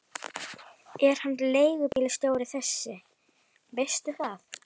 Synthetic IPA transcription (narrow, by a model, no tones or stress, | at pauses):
ɛɾ̥hanːleːjɣʏpɪːlɪst̪joːwɾɪθɛsːɪ | vejst̪ʏθaθ